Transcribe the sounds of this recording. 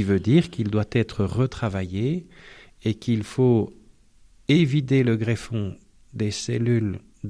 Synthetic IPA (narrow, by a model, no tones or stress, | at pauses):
ivød̪iːʁkild̪wat̪ɛt̪χəʁət̪χavaje | ekilfo | evit̪eləɡʁefɔ̃ | d̪esḛlyl